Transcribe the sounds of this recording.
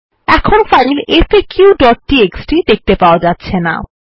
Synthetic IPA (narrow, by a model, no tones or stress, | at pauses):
ɛkʰonfaɾilefekuɖɔʈ̚ːieksʈid̪ek̚t̪epaoad͡ʑatːɕʰena̰